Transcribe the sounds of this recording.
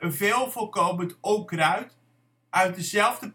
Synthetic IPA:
əveːlˠfokowməntowkrœɥt | ʔœɥt̚dəzɛlˠvdə

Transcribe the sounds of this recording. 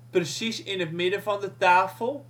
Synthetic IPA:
prəsisɪnɦətmɪdəvɑndətaːfəlˠ

